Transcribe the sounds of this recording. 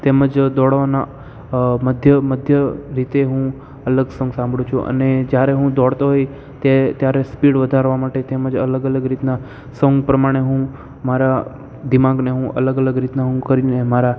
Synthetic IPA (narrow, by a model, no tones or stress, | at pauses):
t̪eməd͡ʒd̪ɔɽʋana | məd̪ʱjəməd̪ʱjəɾit̪eɦũ | ələɡsə̃ŋɡsãmbʱɽũt͡ʃʰuʔə̰ned͡ʒjaɾeɦũd̪ɔɽt̪oɦoj | t̪et̪jaɾespiɽʋəd̪ʱaɾʋamaʈet̪eməd͡ʒə̰ləɡələɡɾit̪na | səŋɡpɾəmaɽ̃eɦũ | maɾa | d̪imãɡneɦũʔə̰ləɡələɡɾit̪naɦũkəɾinemaɾa